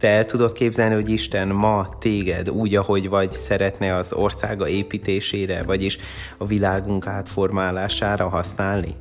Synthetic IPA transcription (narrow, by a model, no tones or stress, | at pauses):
t̪ɛɛlt̪ud̪o̞t̪keːbzɛlniho̞ɟiʃt̪ɛnmɒt̪eːɡɛd̪uːɟɒho̞ɟvɒɟsɛɾɛt̪nɛɒzo̞rsa̰ːɡɒeːpiːt̪eːʃeːɾɛvɒɟiʃ | ɒvilaːɡuŋkaːt̪fo̞rmaːlaːʃaːɾɒɦɒsnaːlnḭ